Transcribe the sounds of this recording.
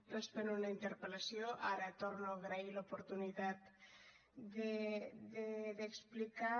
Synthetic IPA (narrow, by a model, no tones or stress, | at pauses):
pɾespenunaint̪eɾpelasjoʔaɾat̪oɾnoɣɾailopoɾt̪unit̪at̪ | deðeðeksplika